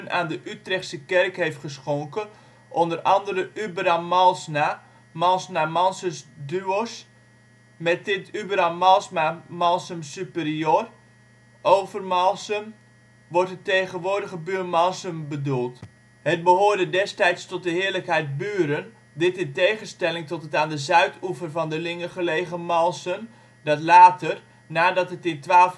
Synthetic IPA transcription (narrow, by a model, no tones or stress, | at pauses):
na̰ːndəʔytrɛxtsəkɛrkhejftχəsxoŋkə | ʔondərɑndərəʔybəramːalˠsna | malˠsnamansəsdyos | mɛt̚ɪtʰybəramːalˠsmamalˠsəmsypəriør | ʔowvərmalˠsəm | ʋɔrtətejɣənʋʊːrdəɣəbyːrmalˠsəmbədulˠt | hət̚bəɦoːrdədɛstɛjtstɔt̚dəɦɪːərləkhɛjt̚byːɾən | dɪtɪntejɣəstɛlɪŋtɔtətaːndəzœɥtʰufərvɔndəlɪŋəχəleːjɣəmɔlˠsəm | dɔtlaːtər | naːdɔtɦətɪntʋaːlf